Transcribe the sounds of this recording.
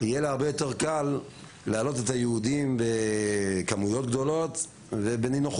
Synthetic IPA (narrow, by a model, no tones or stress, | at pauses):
ijelaaʁbejo̞te̞ʁkalː | ealo̞t̪̬et̪ajeud̪imbekamujo̞tɡd̪o̞lo̞t̪ | vebeninuχ